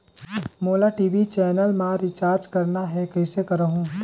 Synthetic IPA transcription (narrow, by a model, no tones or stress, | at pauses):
moːlaʈiːʋit͡ʃɛːnəlmãɾit͡ʃaːɾd͡ʒkɐɾnaɦɛkɐɪsekɐɾəɦũː